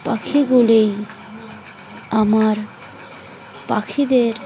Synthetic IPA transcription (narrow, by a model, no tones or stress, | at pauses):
pakʰiɡulej | amaɾ | pakʰid̪eɾ